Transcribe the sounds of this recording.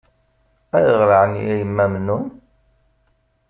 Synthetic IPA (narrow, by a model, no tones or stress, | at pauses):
æjəʁɾaʕənjæjəmːæmnun